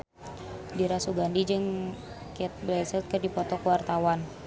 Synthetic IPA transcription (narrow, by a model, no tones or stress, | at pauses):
diɾasuɡandid͡ʒəŋ | kɛt̪̚blɛsət̪̚kərdipɔt̪ɔkəwart̪awan